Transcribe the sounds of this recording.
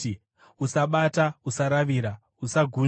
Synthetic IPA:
usaɓatausaɾaʋiɾa | usaɡʱu

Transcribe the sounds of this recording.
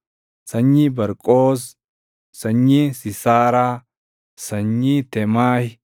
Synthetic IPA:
sɐɲːibɐɾkʼoːs̬ː | ɐɲːisɪsaːɾaː | sɐɲːit̪ɛmaːh

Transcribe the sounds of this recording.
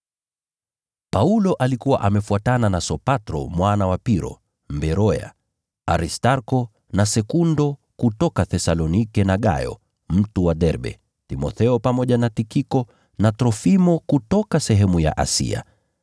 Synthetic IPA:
paulɔʔalikuwa̰ʔamɛfuatananasɔpatɾɔ̰mwanawapiɾɔ̰ | mbɛɾɔja̰ | aɾistaɾkɔ | nasɛkundɔ | kutɔkaθɛsalɔnikɛnaɠa̰jɔ̰ | m̩tuwaɗɛɾɓɛ̰ | timɔ̰θɛɔpamɔʄanatikikɔ | natɾɔfimɔkutɔkasɛɦɛmuja̰ʔa̰sḭa̰

